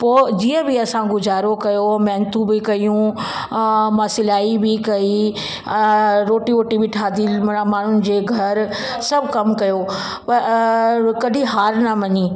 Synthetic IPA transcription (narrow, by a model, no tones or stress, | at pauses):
poːd͡ʑiːə̃bɪɐsãɡʊzaːɾokɐjomɛɦnt̪ũbɪkɐijũ | mɐsɪlaːibɪkɐi | ɾoːʈiʋoːʈibɪʈʰaːd̪imaːɳ̤ʊnɪ̆d͡ʑeːɡʱɐɾ | sɐbkɐmkɐjo | pɐɾ | kɐɖʱiɦaːɾnɐmɐɲi